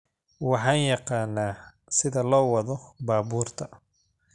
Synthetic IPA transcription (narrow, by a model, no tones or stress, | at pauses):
wɑħɑːnjɑqɑːnːaː | sɪðɐlɔːwɑðɔbaːbuːrt̪ʰɐ